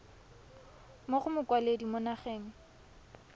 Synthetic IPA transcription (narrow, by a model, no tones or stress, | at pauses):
moχʊmʊkwaledimʊnaχeːŋ̩